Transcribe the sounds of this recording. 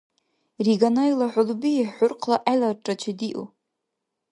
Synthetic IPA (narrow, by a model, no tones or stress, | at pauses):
riɡanajlaħʷʊlbiiħʷʊrqʰlaʔajlarʈ͡ʂʼat͡ʃʰadiʔṵ